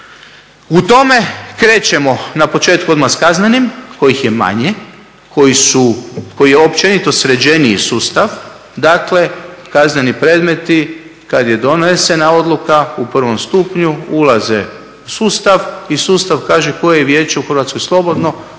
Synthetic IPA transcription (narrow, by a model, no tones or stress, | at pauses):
ut̪o̞me̞kɾe̞ːt͡ɕe̞mo̞napo̞t͡ʃe̞ːt̪kuo̞d̪maskaznenimko̞jixje̞ma̰ɲe | kojisuko̞jijeo̞pt͡ʃenit̪o̞sɾe̞d͡ʒeniḭsuːst̪aʋ | d̪akle̞kaznenipɾe̞ːd̪me̞t̪i | kad̪je̞d̪o̞nese̞nao̞d̪lˠukaupr̩ʋo̞mst̪upɲuulazḛ | usuːst̪aʋisuːst̪aʋkaːʒeko̞jejeʋje̞ːt͡ʃe̞uxrʋat̪sko̞jslˠo̞bo̞d̪no